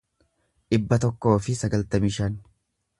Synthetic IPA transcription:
ᶑɪbːɐt̪ɔkːo̞ːfɪsɐɡɐlt̪ɐmɪʃɐn

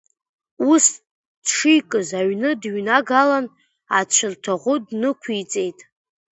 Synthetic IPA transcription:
us | d̥ʂijkʼɨzaɥnɨdɥnaɡalan | at͡ʃʷʰɨrtʰaʁʷʊdnɨkʷʰit͡sʼe̞jtʼ

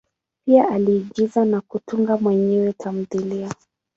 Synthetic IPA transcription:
piaʔaliːɠizanakutuŋɡamwɛɲɛwɛtʰam̩ðilia

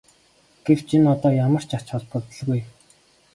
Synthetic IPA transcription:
ɡ̥ew̥t͡ɕʰinɔt̪ɔːjamə̆r̥t͡ɕḁt͡ɕχɔɮpə̆t̪̆ɮɣuj

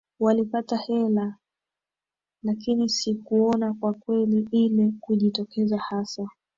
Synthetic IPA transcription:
walipatahɛla | lakinisikuɔnakwakwɛliʔilɛkuʄitɔkɛzahasa

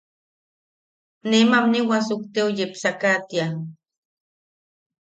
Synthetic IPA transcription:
nemamniwasukt̪eujepsakat̪ia

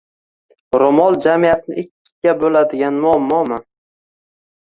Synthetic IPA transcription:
ɾomɒlˠd͡ʒamijat̪̚nɪ̰ʔɪkʲːɪ̥ɡʲabolad̪ɪɡʲanmʊamːɒma

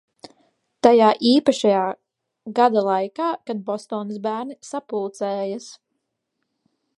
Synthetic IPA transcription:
t̪ajaːʔiːpaʃajaː | ɡad̪alˠajkaːkad̪̚bɔst̪ɔːnsbæːɾnisapulˠt̪sɛːjas

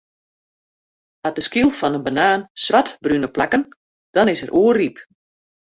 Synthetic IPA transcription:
at̚dəskilˠfɔnənbanaːnsʋatbrynəplakən | d̥ɔnɪsəɾʔuərip

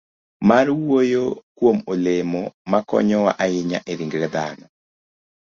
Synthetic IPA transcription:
maɾwojokwomolemɔmakɔ̰ɲɔwa̰ʔaɪɲa̰ʔeɾiŋɡɾɛd̪anɔ

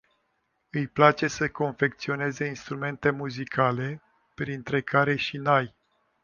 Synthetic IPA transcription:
ɨjplat͡ʃe̞səko̞nfe̞k̚t̪sio̞ne̞ze̞inst̪ɾume̞nt̪e̞muzikʰale̞ | pɾint̪ɾe̞kʰaɾe̞ʃinaj

